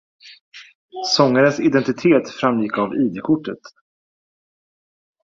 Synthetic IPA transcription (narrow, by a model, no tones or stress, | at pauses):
sɔŋːaɾənsɪd̪ɛnt̪ɪt̪ʰeːt̪fɾamːjɪkːaviːd̪ekʰʊʈːət̪